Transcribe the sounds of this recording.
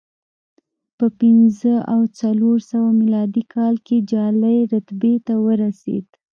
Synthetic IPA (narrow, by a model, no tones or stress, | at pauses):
pəpɪnzəʔawt͡saloɾsawamilɑd̪ikʰɑlked͡ʒɑlajɾat̪bet̪awəɾasḛd̪̥